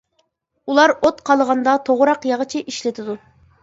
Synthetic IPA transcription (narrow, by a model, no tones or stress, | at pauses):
ulˠɑɾot̪qʰɑlˠəʁɑnd̪ɑt̪ʰoʁʊɾɑqjɑʁət͡ʃʰiʔiʃlɪt̪ʰɪd̪u